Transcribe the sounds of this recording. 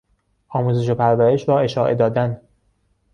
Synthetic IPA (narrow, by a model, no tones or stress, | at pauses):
ʔɒːmuːze̞ʃ̬opʰæɾvæɾe̞ʃɾɒːe̞ʃɒːʔe̞d̪ɒːd̪æn